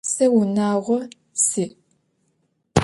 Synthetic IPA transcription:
sɐwunaːʁʷɔ | siː

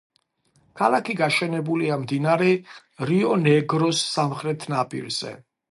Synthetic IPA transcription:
kʰalˠakʰiɡaʃɛnɛbuliamd̪inaɾɛ | ɾiɔnɛɡɾɔsːamχɾɛt̪ʰnapʼḭɾz̥ɛ̰

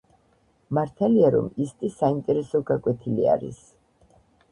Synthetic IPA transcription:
maɾt̪ʰaliaɾɔ̰mist̪ʼisaimt̪ʼɛɾɛsɔɡakʼwɛt̪ʰilia̰ɾḭs

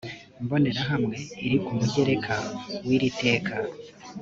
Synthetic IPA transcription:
imbo̞neɾaɦamŋe̞iɾikumuɟe̞ɾe̞kʰawiɾite̞ːka

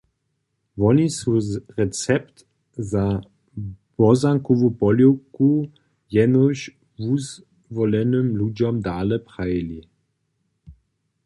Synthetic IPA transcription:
vɔnisuʁɛt͡sɛpt | za | bɔzaŋkɔvupɔljoku | jɛnɔɕ | vuz | vɔlɛnəmlud͡ʒɔmdaːlɛpʁajli

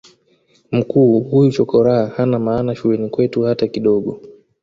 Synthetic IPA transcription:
m̩kuːhujut͡ʃɔkɔɾahahanamaːnaʃulɛnikwɛtuhatakiɗɔɠɔ

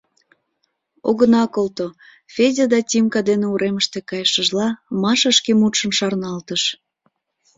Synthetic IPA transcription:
o̰ɣənɑkolt̪o | fʲezʲed̪ɑtʲimkɑd̪eneuɾʔeməʃt̪ekɑjʃəʒlɑmɑʃəʃkemut̪ʃə̆nʃɑrnɑlt̪əʃ

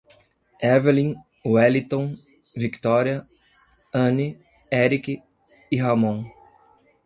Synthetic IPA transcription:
ɛveɾlĩŋ | uɛlit̪õ | vikt̪ɔɾiɐ | ɐ̃ni | ɛɾikɪː | ɦɐmõw̃

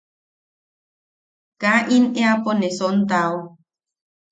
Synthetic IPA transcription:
kaʔineaponesɔnt̪aw

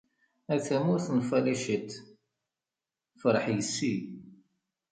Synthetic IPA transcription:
æθæmʊɾθənfæliʃət̪ | fɾˤħjəsːi

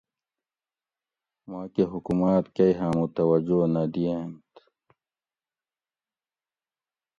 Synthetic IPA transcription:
maːkeɦukumaːt̪kɐiɦãːmut̪ɐwɐd͡ʑonɐd̪ient̪

